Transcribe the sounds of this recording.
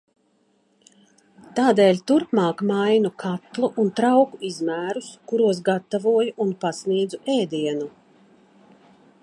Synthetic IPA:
t̪aːd̪eːlʲt̪uɾpmɑːkmajnukʰat̪lˠuʔunt̪ɾawkuizmæːɾuskuɾuɔs̬ɡat̪ːavuɔjuʔunpasniɛd̪zuʔɛːd̪iɛnu

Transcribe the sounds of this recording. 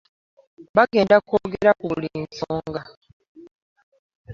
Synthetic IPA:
βaɡe̞ːndakoːɡe̞ɾakuliːnsoːŋɡa

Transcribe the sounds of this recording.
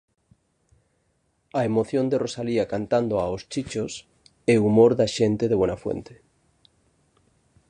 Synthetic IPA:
aemoθjond̪erosaliakant̪and̪oaost͡ʃit͡ʃos | eumoɾðaʃẽnt̪eðeβwenafwḛnt̪e̥

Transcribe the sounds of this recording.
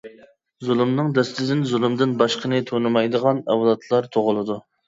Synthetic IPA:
zulˠɨmnɨŋd̪ɛst̪ɪd̪ɪnzulˠɨmd̪ɪnbɑʃqʰənɨt̪ʰonɨmɑjd̪əʁɑnɛwlˠɑt̪ʰlˠɑɾt̪ʰoʁʊlˠɨd̪u

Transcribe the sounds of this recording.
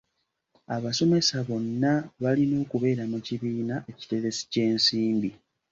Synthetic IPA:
aβaso̞me̞saβo̞nːaβalino̞ːkuβe̞ːɾamuciβiːnaʔe̞ci̥te̞ɾe̞si̥ce̞ːnsiːmbi

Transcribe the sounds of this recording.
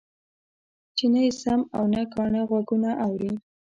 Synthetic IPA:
t͡ʃenajesamawnakɑɳəɣwaɡunaʔawɾi

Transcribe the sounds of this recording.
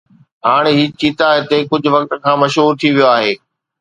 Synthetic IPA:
ɦaːɽ̃eɦiːt͡ɕiːt̪aɦet̪ekʊd͡ʑʱʊ̆ʋɐk̚t̪ə̆kʰãːmɐʃɦuːɾt̪ʰiʋijoaːɦeː

